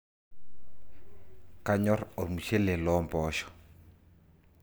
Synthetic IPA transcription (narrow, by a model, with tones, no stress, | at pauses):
ka˦ɲɔ˦rɔ˨rmu˨t͡ʃʰɛ˦lɛ˨lɔmpɔːʃɔ̥